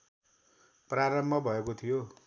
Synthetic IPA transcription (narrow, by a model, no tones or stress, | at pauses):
praɾʌmbʱʌbʱʌekot̪ʰijo